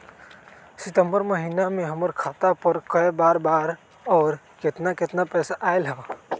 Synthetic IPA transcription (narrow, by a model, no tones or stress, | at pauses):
sɪt̪ə̃mbəɾməɦiːnamẽɦəməɾkʰaːt̪apəɾkəebaːɾbaːɾ | ɔːɾ | kɪt̪nakɪt̪napɛːsaʔaːelɦa